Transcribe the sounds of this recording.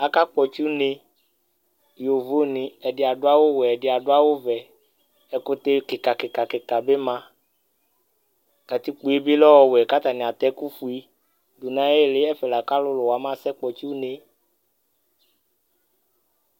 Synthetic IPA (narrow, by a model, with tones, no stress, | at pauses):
a˨ka˦k͡pɔ˨t͡ʃu˦ne˨ | jo˨vo˦nĩ˨ɛ˨dɪ˨a˨dʊ˦a˦wo˦wɛ˨ɛ˨dɪ˨a˨dʊ˦a˦wo˦vɛ˨ | ɛ˨kʊ˦t̪e˦kɪ˨ka˨kɪ˨ka˨kɪ˨ka˨bɪ˦mã˦ | ka˨t̪i˦k͡pu˨˦e˦bi˦lɔ˦wɔ˨wɛ˨ka˦t̪a˨nĩ˨a˨t̪ɛ˦ku˦fu˨i˦ | du˨nã˦e˦˨lɪ˦ɛ˦fɛ˨la˨ka˦lʊ˦lʊ˨wa˨mã˦˨sɛ˦k͡pɔ˨t͡ʃu˦ne˨